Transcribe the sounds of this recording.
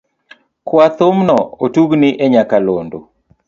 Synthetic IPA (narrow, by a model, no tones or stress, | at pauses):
kwat̪omnɔotuɡniʔɛɲakalondo